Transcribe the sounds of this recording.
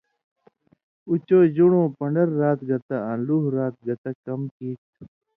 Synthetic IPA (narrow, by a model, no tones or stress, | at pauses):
ut͡ɕoːd͡ʑuɽõːpɐɳɖɐɾːaːt̪̚ɡɐt̪aãːluːɦɾaːt̪̚ɡɐt̪akɐmkiːk̚t̪